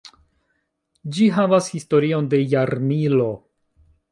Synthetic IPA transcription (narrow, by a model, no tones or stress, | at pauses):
d͡ʒiɦavashisto̞ɾio̞nde̞jaɾmilo̞